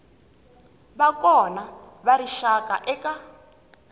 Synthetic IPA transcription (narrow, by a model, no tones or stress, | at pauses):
βakɔna | βaɾiʃaka̰ʔɛka